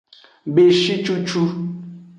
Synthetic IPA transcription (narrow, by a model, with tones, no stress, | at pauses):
be˨ʃi˦t͡ʃu˦t͡ʃu˦